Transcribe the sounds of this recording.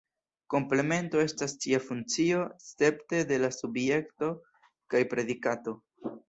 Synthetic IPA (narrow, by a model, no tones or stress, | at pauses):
ko̞mple̞me̞nto̞e̞stast͡ʃiafunt͡sio̞st͡se̞pte̞de̞lasubje̞kto̞ | kajpɾe̞dikato̞